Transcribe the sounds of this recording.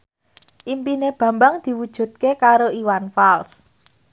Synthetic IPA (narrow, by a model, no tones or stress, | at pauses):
ʔimpineb̥ä̤mbaŋd̪̥i̤wud̥ʒ̥ṳt̪̚kekaɾoiwanfals